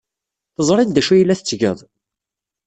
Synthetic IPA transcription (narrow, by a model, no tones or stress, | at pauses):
θəzˤɾˤind̪æʃujəlːæθət͡sːʝə̰ðˤ